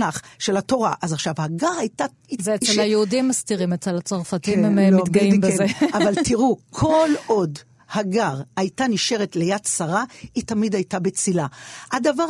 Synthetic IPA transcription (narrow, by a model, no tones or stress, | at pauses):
aχʃe̞lato̞ʁaʔazaχʃavhaɡaʁajta | ieelajeudimːastiʁimet͡selat͡soʁfatimemloiɡaimbeavvaltiʁukʰo̞lo̞d | haɡaʁajtaniʃe̞ʁetlejadsaʁaitamidajtabet͡silaadavaʁ